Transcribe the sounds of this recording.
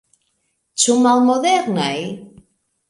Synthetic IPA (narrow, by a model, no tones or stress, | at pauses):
t͡ʃumalmoðeɾnaj